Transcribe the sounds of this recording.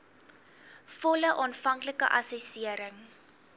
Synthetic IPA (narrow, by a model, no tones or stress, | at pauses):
fɔləʔɑːnfɐŋkləkə̰ʔɐ̰sɛsiəɾəŋ